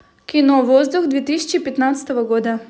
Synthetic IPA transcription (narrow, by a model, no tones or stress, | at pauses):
kʲinɔvɔzd̪uxd̪vʲet̪isʲi̥t͡ʃipʲɛt̪nat̪sə̥t̪əvɐɡɔd̪ə